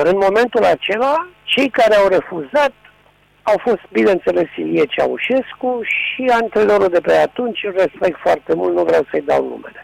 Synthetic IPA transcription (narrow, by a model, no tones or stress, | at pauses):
ɨnmo̞me̞nt̪ulat͡ʃe̞lat͡ʃe̞jkaɾeawre̞fuzat̪̚ | awfo̞st̪̚bineɨnt̪se̞le̞siliet͡ʃa̰uʃe̞skuʃiant̪ɾenoɾud̪e̞peat̪unt͡ʃʲɨlre̞spe̞k̚t̪foart̪e̞mult̪nuvɾeawsəjd̪a̰wnṵmḛle